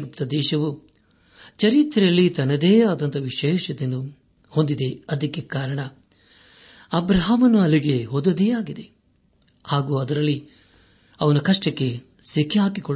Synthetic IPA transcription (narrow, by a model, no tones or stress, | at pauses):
ɡup̚t̪ɐd̪ɛːʃɐʋu | t͡ʃɐɾit̪ːɾɐɐlːit̪ɐnɐd̪eːaːd̪ɐnt̪ɐʋiʃeːʃɐd̪enːu | hond̪id̪e̞ɐd̪ɐkːekaːɾɐɳɐ | ɐbɾɐɦamɐnuɐlːiɡe̞ɦod̪ɐd̪ijaːɡid̪e̞ | haːɡuːɐd̪ɐɾɐlːi | ɐʋɐnɐkɐʂʈɐkːe̞ | sikʰːiɦaːkikɔɭ